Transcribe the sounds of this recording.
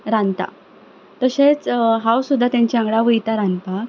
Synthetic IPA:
ɾãnt̪a̰ | t̪əɕet͡sɦãwsud̪ʱːat̪jãɲt͡ɕaŋɡɽaʋəjt̪aɾãnpak

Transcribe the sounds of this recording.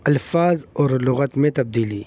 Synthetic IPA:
ɐlfaːzoːɾlʊɣɐt̪mẽt̪ɐb̚d̪iːli

